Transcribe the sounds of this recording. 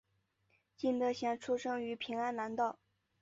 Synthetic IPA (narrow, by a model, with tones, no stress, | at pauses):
t͡ɕi˥˩nt̪ɤ˧˥ɕjɑ˨˩ŋʈ͡ʂʰu˥ʂɤ˥ŋy˧˥pʰi˧˥ŋa˥nla˧˥nt̪ɑ˥˩ʊ